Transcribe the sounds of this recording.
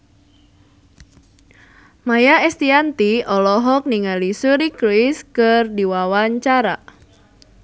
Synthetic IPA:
majaɛst̪iant̪iɔlɔɦɔk̚niŋalisuɾikɾiskɨrdiwawaɲt͡ʃaɾa

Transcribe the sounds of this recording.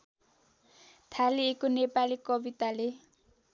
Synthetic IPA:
t̪ʰaliekonepalikʌbit̪ale

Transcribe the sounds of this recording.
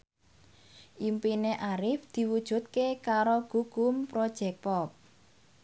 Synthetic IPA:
ʔimpineʔaɾɪfd̪̥i̤wud̥ʒ̥ṳt̪̚kekaɾoɡ̥ṳɡ̥ʊmpɾod̥ʒ̥ɛ̤k̚pɔp̚

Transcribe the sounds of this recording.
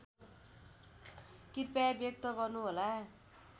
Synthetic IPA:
kirpabjʌk̚t̪ʌɡʌrnuɦola

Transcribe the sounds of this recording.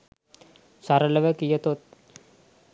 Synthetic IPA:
saɾələʋəkijət̪ot̪̚

